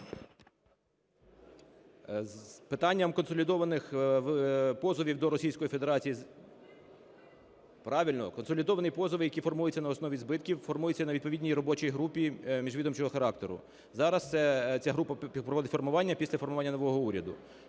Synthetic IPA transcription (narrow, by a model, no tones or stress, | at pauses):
zpɪt̪ɑnʲːɐmkɔnsɔlʲid̪ɔʋɐnɪxʋpɔzɔʋʲiwd̪ɔɾɔsʲijsʲkɔjife̞d̪eɾɑt͡sʲiji | pɾɑʋʲilʲnɔkɔnsɔlʲid̪ɔʋɐnɪjpɔzɔʋɪjɐkʲifɔrmujɪt͡sʲːɐnɐɔsnɔʋʲizbɪt̪̚kʲiwfɔrmujɪt͡sʲːɐnɐʋʲid̪̚pɔʋʲidʲnʲijrɔbɔt͡ʃijɦɾupʲimʲiʒʋʲid̪ɔmt͡ʃɔɦɔxɐɾɑk̚t̪eɾʊ̰ | zɑɾɐst̪sɛt͡sʲaɦɾupɐpɾɔʋɔd̪ɪtʲfɔrmʊʋɑnʲːɐpʲisʲlʲɐfɔrmʊʋɑnʲːɐnɔʋɔɦɔuɾʲɐd̪ʊ̰